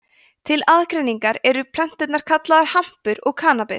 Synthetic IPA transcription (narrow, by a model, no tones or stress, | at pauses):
t̪ʰɪlaðkɾejniŋkaɾɛɾʏpʰlœn̥t̪ʏt̪naɾ̥kʰat̪laðaɾ̥ham̥pʏɾɔɣkʰaːnapɪ